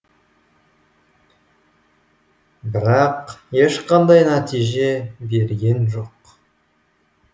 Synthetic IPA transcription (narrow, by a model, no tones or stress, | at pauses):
bɪɾɑqje̞ʃqɑnd̪ɑjnæt̪ijʒe̞be̞ɾɡʲe̞nʒo̞q